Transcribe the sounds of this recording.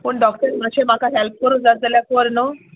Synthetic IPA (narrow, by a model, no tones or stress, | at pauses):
pəːɳɖɔkʈəɾməɕemakaɦelp̚kəɾund͡zad͡zaljakoɾno